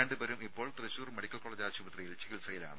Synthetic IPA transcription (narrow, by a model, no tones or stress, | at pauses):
eːɳɖɨbɐɾumipːo̞ːɭt̪rɐɕuːrmeɽikʲːɐlkoːɭɐd͡ʑaːt͡ɕubɐt̪rijilt͡ɕiɣilsɐjila̰ːɳɨ̰